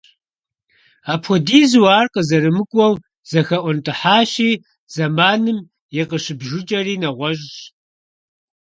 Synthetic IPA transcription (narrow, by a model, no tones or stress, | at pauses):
aːpʰɔdiːzwaːrqəzɐɾɨmɨkʷʼɔw | z̥ɐxɐʔʷɔntʰʼɨħaːɕiː | z̥ɐmaːnɨm | jɪqəɕɪbʒʊt͡ʃʼɐriːnɐʁʷɔʒʼɕ